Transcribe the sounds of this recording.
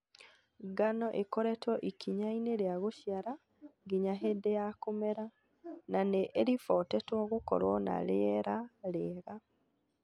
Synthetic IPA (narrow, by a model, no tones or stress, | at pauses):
ɡanɔʔekoɾɛtwɔʔikʰiɲaineɾeaɣoʃjaɾa | ŋɡiɲaɦedejakomeɾa | naneʔːɾifɔtɛtwɔɣokɔ̰ɾwɔna̰ɾeɛɾaleɣa